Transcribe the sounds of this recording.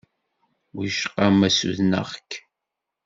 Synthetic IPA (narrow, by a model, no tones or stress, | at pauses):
wiʃqɑmæsṵðnə̰ʁk